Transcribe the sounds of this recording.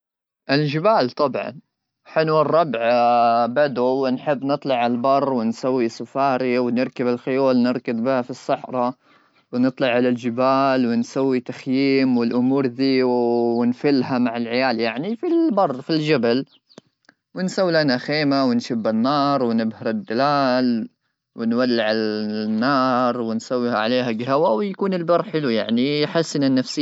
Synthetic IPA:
ʔɪld͡ʒɪbaːlt̪ˤɑbʕɑ̰n | ħɪlwɪrˤːɑbʕbad̪uwɪnħɪbːnɨt̪ˤlɑʕalbɑrˤːwɪnsawːisʊfaːɾiwnɪɾkabɪlxʊjuːlnɪɾˤkɪbbihafisˤːɑħɾˤɑ | wɪnɨt̪ˤlɑʕʕalald͡ʒɪbaːlwɪnsawːit̪axjiːmwɪlʔʊmuːɾd̪iːwwɪnfɪlːɦamaʕɪlʕɪjaːljaʕnifilbɑrˤːfild͡ʒabal | wɪnsawːilanaxeːmawɪnʃɪbːɪnːɑːɾˤwɪnɪbhɑɾˤɪd̪ːalaːl | wɪnwalːɪʕɪnːɑːɾˤwɪnsawːihaʕaleːhaɡɦawawjakuːnɪlbɑɾˤħɪluja̰ʕniħasːɪnanːafsɪ

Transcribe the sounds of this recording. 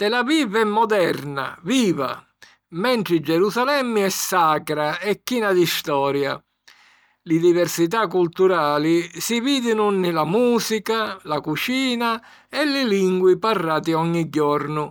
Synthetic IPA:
t̪ɛlavivɛmːɔd̪ɛɾna̰viːva̰ | mɛɳʈ̪ɾɪid͡ʒɛɾusalɛmːɪɛsːaːkɾaɛkːiːnad̪ist̪ɔːɾja̰ | lɪd̪ivɛɾsit̪̬akːult̪uɾaːlisiviːd̪ɪnʊnɪlamuːsikalakut͡ʃiːna | ɛlɪliŋɡwiparːaːt̪iɔɲːiɟːɔɾnʊ

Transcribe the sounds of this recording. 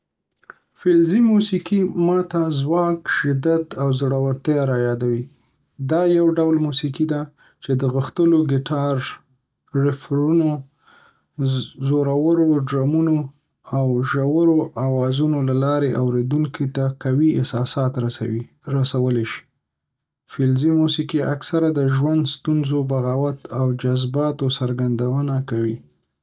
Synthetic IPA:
fɪlzimusikimɑt̪azwɑkʃɪd̪at̪awzɽawəɾt̪jɑɾajɑd̪awi | d̪ɑjawɖawlmusikid̪a | t͡ʃed̪əɣəxt̪əloɡɪʈʰɑɾ | ɾɪfɾuno | zoɾawəɾoɖɾɑmuno | awʒawəɾoʔawɑzunolalɑɾeʔawɾed̪uŋkit̪akawiɪsɑsɑt̪ | ɾasawəleʃi̥ | fɪlzimusikiaksaɾad̪əʒwand̪st̪unzobaɣawat̪awd͡ʒazbɑt̪osaɾɡand̪awənakawi

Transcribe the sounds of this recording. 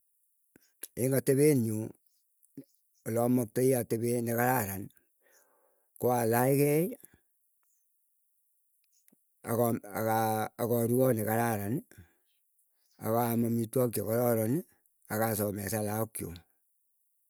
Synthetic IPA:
eŋɡateβenu | olɔmɔk̚toiateβenekaɾaɾan | koalaikɛj | a̰kɔkaːkɔɾuɔnekaɾaɾan | a̰kamamitwɔk̬jokɔɾɔɾɔn | akasɔmɛsalaɔkjo̰

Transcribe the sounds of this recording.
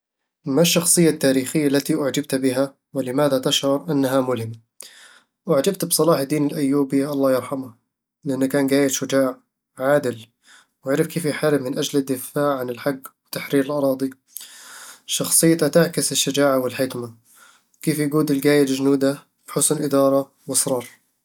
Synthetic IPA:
maʃːɑxsˤɨjːat̪ːaːɾiːxɪjːalːat̪iʔaʕd͡ʒab̚t̪bɪɦa | wɪlɪmaːðat̪aʃʕʊɾʔanːaɦamʊlɦɪmːa | ʔwaʕd͡ʒabt̪bsˤɑlɑːħd̪ːiːnɪlʔajːuːbiʔɑlˤːɑːjɑɾˤħamʊ | lɪʔanːakaːnɡaːjɪʃʊd͡ʒaːʕ | ʕaːd̪ɪl | waʕɾɪfkeːfjħaɾɪbmːɪnʔad͡ʒlɪd̪ːɪfaːʕʕanɪlħaɡːwɪt̪aħɾiːɾɪlʔɑɾˤɑːd̪ˤi | ʃɑxsˤɨjːt̪at̪aʕkɪsɪʃːad͡ʒaːʕawɪlħɪkma | wkeːfjaɡuːd̪ɪlɡaːjald͡ʒnuːd̪a | b̥ħʊsnʔɪd̪ɑːɾˤɑ | wɨsɾˤɑːɾˤ

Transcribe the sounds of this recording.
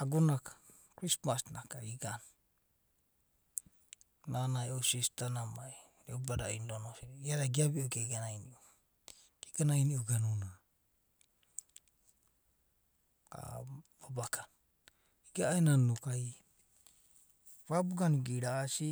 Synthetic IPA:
aɡonakḁ | kɾismasnakaiɡan | nanaeosistanamai | ɾɛubaɾaindonosiɾiaɾaɡiabioɡaɡanainiu | ɡiɡanainiʔuɡanuna | a̰babakan | iɡaenanukai | βabuɡanuɡiɾaːsi

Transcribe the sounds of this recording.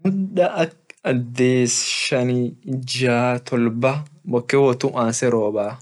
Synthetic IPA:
mʊnᶑɐʔɐkɐd̪ːeːsʃɐnid͡ʒaːt̪ʰɔlbɐbɔkːɛwɔt̪ʊʔaːnsɛɾoːbaː

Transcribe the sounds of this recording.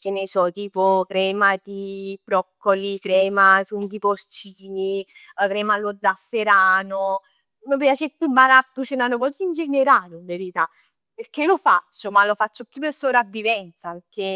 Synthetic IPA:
kenesɔt̪iːpokɾɛːmat̪ibɾɔkːolikɾɛːmasuŋk̪ipost͡ʃiːnikɾɛːmalod̪ːafːeɾaːno | məpjat͡ʃet̪ːumːalat̪ːut͡ʃenanopɔt̪uind͡ʒeneɾaːɾʊɱveɾit̪a | perkelofasomalofat͡ʃːopjupeɾsopɾavːivɛnt̪sapeɾkːe

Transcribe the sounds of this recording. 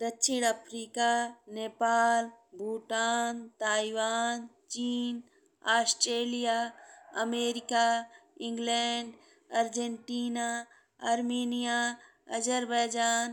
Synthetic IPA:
d̪ɐtːʃʰiɽ̃ɐpʰɾiːkaneːpaːl | bʱuːʈaːnt̪aːiʋaːn | t͡ʃiːn | aːsʈɾeːlijaːɐmeːɾikaĩŋɡleɳɖ | ɐɾd͡ʒeɳʈiːna | ɐɾmeːnija | ɐd͡ʒəɾbajd͡ʒaːn

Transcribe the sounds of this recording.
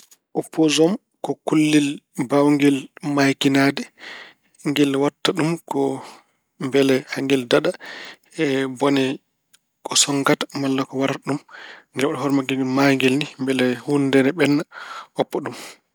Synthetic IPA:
ʔɔpʰːɔzɔm | kɔkulːilbawŋɡɛlmajkinadɛ | ŋɡɛlwatːaɗumkɔ | mbɛlɛhaŋɡɛldaɗa | ɛbɔnɛ | kʰʼɔsɔŋɡatḁmalːakɔwaɾaɗumŋɡɛlɔɗɔhɔɾmaɡimaŋɡɛlnimbɛlɛhundɛnɛɓɛnːaɔpːɔɗum

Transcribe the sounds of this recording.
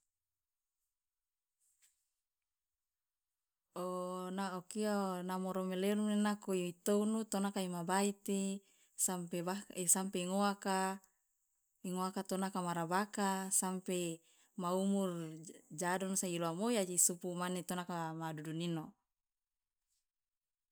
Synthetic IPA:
onaokianamoɾomelenunenakoiit̪ounut̪onakaimabait̪e | sampebaesampeiŋoaka | iŋoakat̪onakamaɾabakasampe | maumurd͡ʒadɔnsailoamojad͡ʒisupumanet̪onakamadudunino

